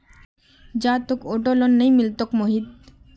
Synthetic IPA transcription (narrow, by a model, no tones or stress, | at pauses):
d͡ʒaːt̪okoʈolɔnːəjmilt̪ɔkmoɦid̪